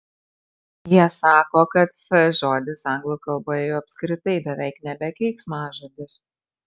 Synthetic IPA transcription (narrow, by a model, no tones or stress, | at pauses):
jiɛsɑːkoːkɐt̪fɛʒoːd̪ʲɪsɐŋɡlˠʊkɐlˠboːjɛjɛʊɐpʲsʲkɾʲɪt̪ɐɪbʲɛʋʲɛɪknʲɛbʲɛkʲɛɪksmɑːʒoːd̪ʲɪs